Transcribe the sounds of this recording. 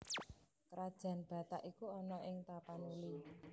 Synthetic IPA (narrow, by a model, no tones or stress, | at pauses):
kəɾad̥ʒ̥ä̤nb̥ä̤t̪aʔikuɔnɔʔɪŋt̪apanuli